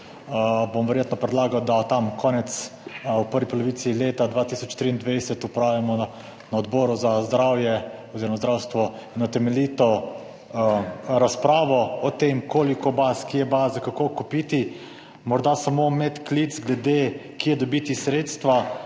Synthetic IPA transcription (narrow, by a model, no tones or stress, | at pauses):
bomʋɛɾjeːt̪nɔpɾɛd̪laːɡawd̪at̪amkʰɔːnɛt̪supəɾʋipɔlɔʋiːt̪sileːt̪ad̪ʋaːt̪isɔt͡ʃt̪ɾiːnd̪ʋɛjsɛt̪upɾaːwʋjamɔ | naɔd̪bɔːɾuzazd̪ɾaːwjɛɔziɾɔmazd̪ɾawst̪ʋɔinɔt̪ɛmɛliːt̪ɔ | ɾaspɾaːʋɔɔt̪emkoːlikɔbaskijɛbazakakokupiːt̪i | mɔɾd̪asamomɛt̪klizɡlɛd̪ekiɛd̪ɔbiːt̪isɾeːt̪st̪ʋa